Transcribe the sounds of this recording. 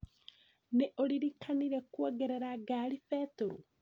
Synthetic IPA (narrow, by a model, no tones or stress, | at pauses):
neʔoliɾikʰaniɾekwoːɡeɾeɾaɡaːɾifetoɾo̰